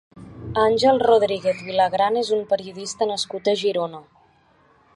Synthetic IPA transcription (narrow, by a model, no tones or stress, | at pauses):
anʲʒɛlˠroðɾiɣeθβilaɣɾanezumpəɾiuðist̪ənəskut̪əʒiɾonə